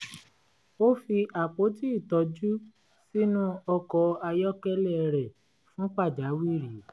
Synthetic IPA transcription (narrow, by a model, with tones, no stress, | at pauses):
o˦fi˧ʔa˨k͡po˨˦ti˦˨tɔ˧˦d͡ʒu˦ | si˦nũ˦ɔ˧kɔ˧a˧jɔ˦kɛ˦lɛ˦˨˧ɾɛ˨ | fũ˦k͡pa˦˨d͡ʒa˨˦wi˦˨ɾi˨˦